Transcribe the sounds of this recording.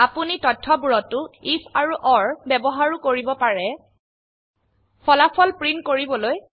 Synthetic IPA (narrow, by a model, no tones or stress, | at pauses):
apunitɔtʰːɔbuɹɔtːʊifʰaɹuʔɔɹbɛbɔɦaɹukoɹibɔpaɹɛ | pʰɔlapʰɔlpɹinkoɹibɔloj